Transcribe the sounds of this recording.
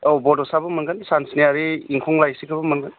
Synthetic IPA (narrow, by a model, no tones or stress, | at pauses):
ɔbɔdɔsabɐmɐŋɡɯnsansnijaɾiiŋkʰɔŋlajsikʰabɐmɐŋɡɯn